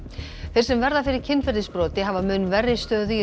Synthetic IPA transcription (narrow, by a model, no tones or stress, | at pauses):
θeɾsɛmvɛɾðafɪɾɪɾ̥cʰɪnfɛɾðɪspɾɔːt̪ɪɦavamʏnvɛrːɪst̪œːðʏi